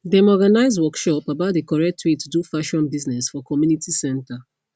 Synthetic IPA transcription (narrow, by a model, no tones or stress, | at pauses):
dɛ̃mɔɡanaɪzwɔkʃɔpabaʊtdekɔɹɛk̚tʰwitudufaʃɔ̃nbiznɛsfɔkɔmjunitʰisɛ̃nta